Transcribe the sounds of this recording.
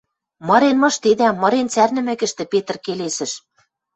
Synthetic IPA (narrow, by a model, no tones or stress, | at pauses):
mɤ̆ɾenmɤ̆ʃt̪ed̪æmɤ̆ɾent͡særnɘ̆mɘ̆kɘ̆ʃt̪ɘ̆pet̪ɤ̆rkelesɘ̆ʃ